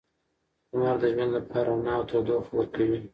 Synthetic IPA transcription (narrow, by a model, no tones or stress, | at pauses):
maɾd̪əʒwand̪lapʰɑɾanawt̪ʰad̪oxwəɾkawi